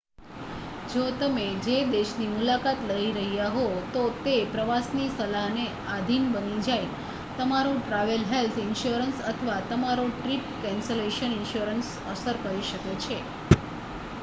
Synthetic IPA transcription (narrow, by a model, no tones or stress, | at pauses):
d͡ʒot̪əmed͡ʒed̪eʃnimulakat̪ləiɾəɦijaɦot̪ot̪epɾəʋasnisəlaɦne | ad̪ʱinbənid͡ʒaj | t̪əmaɾoʈɾaʋəlɦelt̪ʰɪnʃuɾənsət̪ʰəʋat̪əmaɾoʈɾipkɛnseleʃənɪnʃuɾəns | əsəɾkəɾiʃəket͡ʃʰe